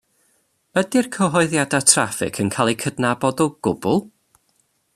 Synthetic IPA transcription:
ədɪrkʰəɦɔɨðjadatʰrafɪ̰kʰənkʰaːlˠikʰədnabɔdɔɡ̥ʊbʊlˠ

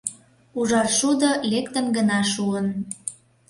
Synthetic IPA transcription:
uʒɑrʃud̪olekt̪ə̆mɡənɑʃuən

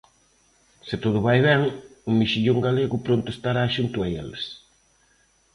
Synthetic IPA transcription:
sɪt̪oð̞ʊβajβɛŋʊmiʃiʎoŋɡaleɣʊpɾont̪ʊest̪aɾaʃunt̪ʊɛḛles

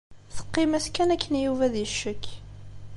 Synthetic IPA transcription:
θə̥qːɪmæskːænækʰːənjuvæðjəʃːəkː

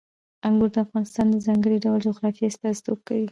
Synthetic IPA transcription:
aŋɡuɾd̪əafɣɑnɪst̪ɑnd̪əzɑŋɡəɽiɖawld͡ʒuɣɾɑfiast̪ɑzi̥t̪ob̚kawi

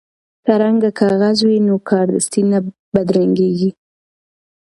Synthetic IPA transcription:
sɑɾaŋɡakɑɣazwinokʰɑɾd̪əst̪ina | bad̪ɾaŋɡeɡi

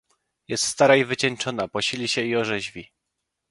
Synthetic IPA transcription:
jɛst̪st̪aɾaivɘt͡ɕɛnt͡ʂɔnapɔɕilʲiɕɛiɔʐɛʑvʲi

